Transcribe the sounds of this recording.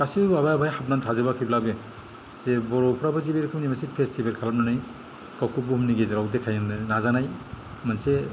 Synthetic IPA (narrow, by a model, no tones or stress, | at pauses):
kasiabajabʱajhap̚nantʰazɯbakʰiblabe | zebɔɾɔpʰɾabazibeɾkʰɯmnimansipʰestʰibelkʰalap̚nanɯj | kawkʰubɯhumniɡezaɾawdekʰajnnazanajmanse